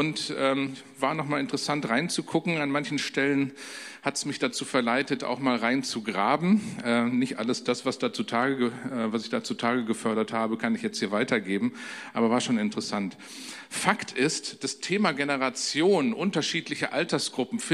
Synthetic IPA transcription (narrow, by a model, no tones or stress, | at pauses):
ʔʊntʔɛːm | vaːɐnɔχmaːlɪntə̥ʁəsantʁaɪnt͡sukʰʊkŋ̩anmançn̩ʃtɛlən | hatsmɪçd̥at͡suːfɛɐlaɪtəta̰ʊxmaːlʁaɪnt͡suɡʁaːbm̩ʔɛːnɪçtʔa̰ləsd̥asv̥asd̥aːt͡sutʰaːɡəɡəɛvasɪçd̥aːt͡sutʰaːɡəɡəfœɐɾɐthaːbəkʰanɪçjɛt͡sthiːɐvaɪtʰɐɡeːbm̩ʔaːbɐvaːɐʃoːnɪntəʁəsant | faktʰɪstd̥astʰeːmaɡenəʁat͡sjoːnənʔʊntɐʃiːtlɪçəʔa̰ltɐsɡ̥ʁʊpm̩f